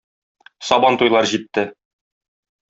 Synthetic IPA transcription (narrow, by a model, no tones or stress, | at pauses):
sɒbɑnt̪ujlˠɑɾʑit̪ːɘ